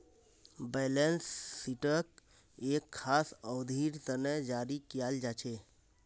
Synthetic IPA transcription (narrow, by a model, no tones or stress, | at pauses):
bɛlensːiʈək | ekʰːasəwd̪ʱiɾt̪ənəd͡ʒaɾikijald͡ʒat͡ʃʰe